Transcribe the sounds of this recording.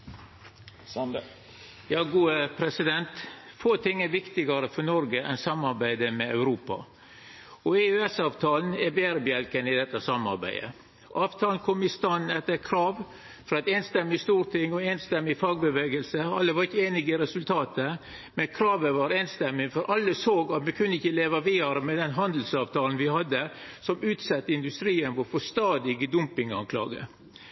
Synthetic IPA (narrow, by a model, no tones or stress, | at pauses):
jɑːɡuːəpʰɾɛsɪd̪ɛnt̪foːt̪ʰɪŋːæɾʋɪkt̪ɪɡɑɾəfɔɳɔɾɡəʔɛnsɑmːɑɾbæɪd̪əmɛɑʉɾuːpɑ̰ | ɔeøɛsɑːʋt̪ʰɑːln̩ɛɾbeːɾəbɪɛlkənɪd̪ɛt̪ːəsɑmɑ̰ɾbæ̰ɪd̪ə̰ | ʔɑːʋt̪ʰɑːln̩kʰɔmɪst̪ɑnɛt̪ːəkʰɾɑːʋ | fɾɑɛt̪eːnst̪ɛmːɪst̪uːɾt̪ʰɪŋɔeːnst̪ɛmːɪfɑːɡ̚bəʋeːɡəlsəɑlːəʋɑɾɪçːəeːnɪɡəɾɛsʉlt̪ʰɑːt̪ə | mɛnkʰɾɑːʋəʋɑɾeːnst̪ɛmːɪŋfɔɾʔɑlːəsoːɡɑt̪mɛkʰʉnːəɪçəleːʋɑʋiːɑɾəmɛd̪ɛnɦɑnd̪l̩sɑːʋt̪ʰɑːln̩ʋɪhɑd̪ːə | sɔmʉːt̪sɑt̪ːəɪnd̪ʉst̪ɾiːənʋɔfɔst̪ɑːd̪ɪɡd̪ʊmpɪŋɑ̰ŋkʰlɑ̰ːɡə̰